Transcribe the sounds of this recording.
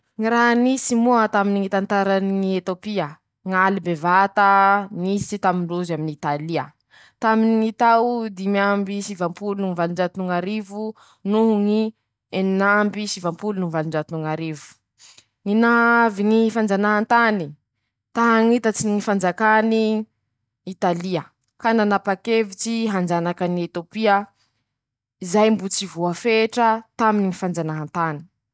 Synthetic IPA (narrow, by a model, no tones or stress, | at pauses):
ŋiɾaɦnisimuat̪aminiŋit̪ant̪aɾanŋiet̪opiə | ŋalibevat̪anisit̪amiɳɖ͡ʐuzaminit̪aliə | t̪aminiŋit̪awd̪imambiʃivampulunuŋivaliɳɖ͡ʐat̪unuŋaɾivu | nuɦuŋi | ennambiʃivampulunuvaliɳɖ͡ʐat̪unuŋaɾivu̥ | ŋinaviŋifand͡zanaɦant̪ani | t̪aɦaŋit̪at͡siniŋifand͡zakani | it̪aliə | kananapakevit͡siɦand͡ʒanakaniet̪opiə | izajmbut͡sivuafeʈ͡ʂət̪aminiŋifand͡ʒanaɦant̪ani̥